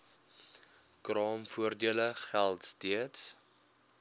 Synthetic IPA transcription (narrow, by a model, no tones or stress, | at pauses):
krɑːmfuərdiələχælˠtstiəts